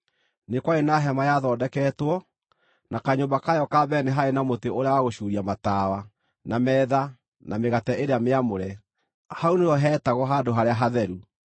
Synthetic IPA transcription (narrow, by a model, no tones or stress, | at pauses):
nekwaenaɦɛmajaðɔːdɛkɛːtwɔ | nakaɲombakajɔkabɛneɦaenamoteoɾeawaɣoɕuɾiamatawa | namɛða | nameɣatɛʔeɾeameamoɾɛ | hauneɔɦɛːtaɣɔɦadoɦaɾeaɦaðɛɾu